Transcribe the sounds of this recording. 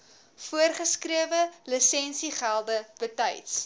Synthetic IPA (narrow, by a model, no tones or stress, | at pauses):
fuərχəskriəvələsɛnsiχælˠdəb̥ətəjts